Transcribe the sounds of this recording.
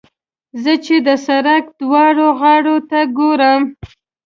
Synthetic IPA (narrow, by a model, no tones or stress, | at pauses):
zət͡ʃed̪əsaɾakd̪wɑɽoɣɑɽot̪aɡoɾəm